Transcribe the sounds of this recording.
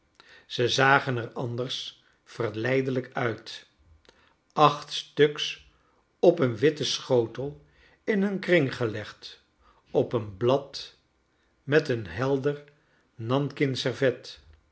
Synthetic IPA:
z̥əzaːχənɛɹɑndərs | fəɹlɛjdələkœɥt | ɑχtstɵks | ɔpənʋɪtəsχowtəlˠ | ɪnənkrɪŋχəlɛχt | ɔpənblɑt | mɛtənɦɛlˠdər | nɑnkɪnsɛɹvɛt

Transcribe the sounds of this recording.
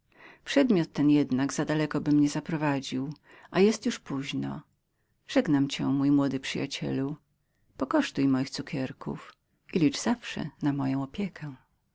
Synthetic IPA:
pʂɛd̪mʲjɔt̪ːɛnjɛd̪naɡzad̪alɛkɔbɘmɲɛzapɾɔvad͡ʑiw | ʔajɛst̪juʂpuʑnɔ̰ | ʐ̥ɛɡnamt͡ɕɛ̰̃mujmwɔd̪ɘpʂɨja̰t͡ɕɛ̰lu | pɔkɔʂt̪ujimɔjixt̪sukʲɛɾkʰṵf | ʔilʲit͡ʂz̥afʂɛ̰namɔjɔ̃w̃ɔpʲjɛkʰɛ̃

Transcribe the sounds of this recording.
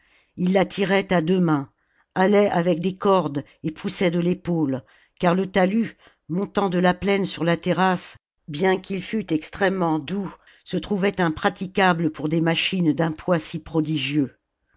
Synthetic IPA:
ilːat̪ʰiʁɛt̪ad̪əmɛ̃ | alɛʔavɛk̚d̪ekɔʁd̪ | epʰusɛd̪əlepol | kaʁlət̪aly | mɔ̃t̪ɑ̃d̪əlaplɛnsyʁlat̪eʁas | bjɛ̃kʲilfyt̪ɛkst̪χɛmːɑ̃d̪u | sət̪χuvɛt̪ɛ̃pχat̪ikʲabləpuʁd̪emaʃind̪ɛ̃pwasipχɔd̪iʒjø

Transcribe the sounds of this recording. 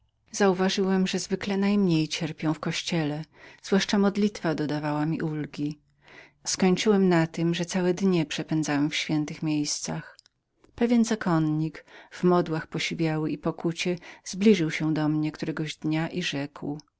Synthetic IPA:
zauvaʐɘwɛmʐɛzvɘklɛnajmɲejt͡ɕɛɾpʲjɔ̃w̃fkɔɕt͡ɕɛlɛz̥vwaʂt͡ʂamɔd̪lʲit̪fad̪ɔd̪avawamʲiʔulɡʲi | skɔɲt͡ʂɘwɛmnat̪ɘmʐɛt̪sawɛd̪ɲɛpʂɛpɛnd̪zawɛmfɕfʲjɛnt̪ɘxmʲjejst̪sax | pɛvʲjɛnzakɔnɲikvmɔd̪waxpɔɕivʲjawɘʔipɔkut͡ɕɛz̥blʲiʐɘwɕɛ̃d̪ɔmɲɛkt̪uɾɛɡɔʑd̪ɲaʔiʐɛkw

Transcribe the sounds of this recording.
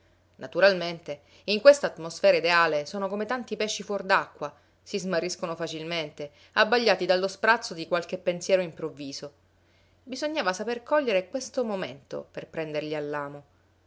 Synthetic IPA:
nat̪uɾalment̪e | iŋkwest̪aːt̪mosfɛːɾaid̪eaːlesoːnokomet̪ant̪ipɛʃːifwɔrd̪akːwa | sizmarːiskonofat͡ʃilment̪e | abːaʎːaːt̪id̪alːospɾat̪sːod̪ikwalk̟epːensjɛːɾoimpɾovːiːzo | bizoɲːaːvasaperkɔʎːeɾekwest̪omoment̪o̰perpɾɛnd̪erʎialːaːmo

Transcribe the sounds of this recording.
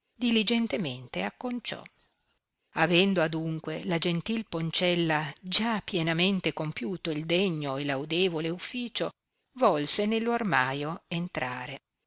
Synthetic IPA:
d̪ilid͡ʒent̪ement̪eakːont͡ʃɔ̰ | avɛnd̪oad̪uŋkwelad͡ʒent̪ilpont͡ʃɛlːad͡ʒapːjenament̪ekompjuːt̪oild̪eɲːoelawd̪eːvoleufːiːt͡ʃo | vɔlsenelːoarmaːjoent̪ɾaːɾe

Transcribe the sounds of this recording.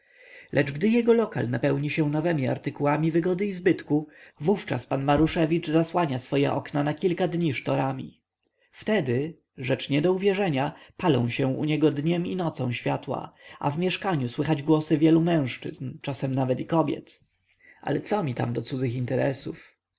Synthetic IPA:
lʔɛt͡ʂɡd̪ɘjɛɡɔlɔka̰lnapɛwɲiɕɛ̃nɔvɛmʲia̰ɾt̪ɘkuwamʲivɘɡɔd̪ɘizbɘt̪kuvuft͡ʂa̰spanmaɾuʂɛvʲit͡ʂzaswaɲasfɔjɛ̰ʔɔ̰knanakʲilkad̪ɲiʂt̪ɔɾamʲḭ | ft̪ɛd̪ɘ | ʐɛt͡ʂɲɛd̪ɔuvʲjɛʐɛɲapalɔ̰̃w̃ɕɛ̃ṵɲɛɡɔd̪ɲɛminɔt̪sɔ̃ɕfʲjat̪wa̰ʔa̰vmʲjɛʂkaɲuswɘxad͡ʑɡwɔsɘvʲjɛlumɛ̃w̃ʂt͡ʂɘ̰znt͡ʂasɛmnavɛt̪ikɔbʲjɛ̰t̪ | ʔa̰lɛt̪sɔmʲit̪a̰md̪ɔt̪sud̪d͡z̪zɘxint̪ɛɾɛsuf

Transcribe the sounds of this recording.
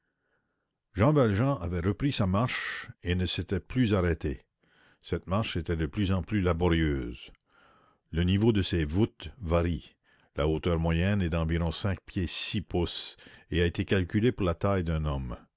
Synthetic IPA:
ʒɑ̃valʒɑ̃ʔavɛʁəpɾisamaʁʃenəset̪ɛplyzaʁɛt̪e | sɛt̪maʁʃet̪ɛd̪əplyzɑ̃plylabɔʁjøːz | lənivod̪əsevut̪vaɾi | lʔaot̪œːʁmwajɛnɛd̪ɑ̃viʁɔ̃sɛ̃k̚pʰjesipuseaet̪ekalkʲylepuʁlat̪ajd̪ɛ̃nɔm

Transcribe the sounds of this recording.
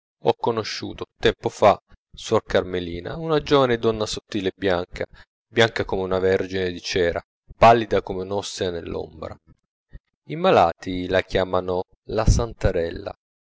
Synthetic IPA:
ɔkːonoʃːṵːt̪ot̪ɛmpofa | sɔrkarmeliːna̰unad͡ʒoːvaned̪ɔnːasot̪ːiːlebːjaŋkʰa̰ | bjaŋkakomeunavɛrd͡ʒined̪it͡ʃɛːɾa̰ | palːid̪akomeunɔst̪ianḛlːo̰mbɾa̰ | imalaːt̪ilakjaːmano | lasant̪aɾɛlːa̰

